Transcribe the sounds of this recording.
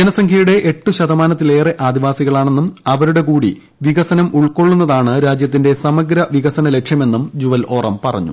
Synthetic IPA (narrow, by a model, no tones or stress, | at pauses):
d͡ʑenɐsɐŋkʰjɐjuɽe̞ʔeʈːuɕɐd̪ɐmaːnɐt̪̬ːile̞ːreʔaːd̪iʋaːsiɣɐɭaːɳe̞nːumɐʋɐɾuɽe̞kuːɽḭ | ʋiɣɐsɐnɐmuɭko̞ɭːun̪ːɐðaːɳɨɾaːd͡ʑjɐt̪̬ːinde̞sɐmɐɡɾɐʋiɣɐsɐnɐle̞kʂjɐme̞nːumd͡ʑuʋɐlo̞ːrɐmpɐrɐ̰ɲːṵ